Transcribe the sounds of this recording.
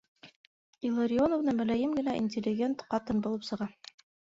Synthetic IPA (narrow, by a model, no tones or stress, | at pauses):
ilˠəɾʲɪonovnɤmɘ̆læjɘmɡɘ̆næʔḭnʲtʲɪlʲːɪɡʲent̪qɑt̪ɤnbulˠɤpsɤ̆ʁɑ